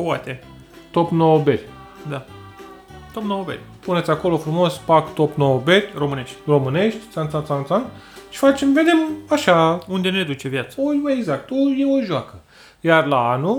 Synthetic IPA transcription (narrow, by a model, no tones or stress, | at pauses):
wat̪e | t̪o̞pnoːberʲ | d̪a | t̪opnooberʲpunesʲako̞lo̞fɾumo̞spakt̪o̞pnoobe̞ɾʲromɨneʃt̪ʲro̞mɨne̞ʃt̪ʲt̪sant̪sansant̪sanʃi̥fat͡ʃe̞mve̞d̪e̞maʃaund̪e̞ned̪ut͡ʃe̞vjat̪səojwəeɡzak̚t̪ojeoʒuakə | jarlaanu